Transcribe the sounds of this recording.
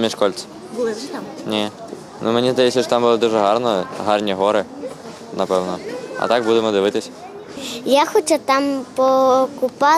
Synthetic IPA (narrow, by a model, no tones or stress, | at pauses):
mʲiʂkɔlʲt̪s | nʲe | nʔʊmenʲizd̪ɐjɛsʲɐʃɔt̪ambɨlˠɪd̪uʐɛɦarnɔjɦarnʲiɦɔɾɪ | nɐpɛwnɔɐ̰t̪aɡ̚bud̪emɔd̪ɨʋɪt̪ɪsʲ | jaxɔt͡ʃat̪ampɔkʊpa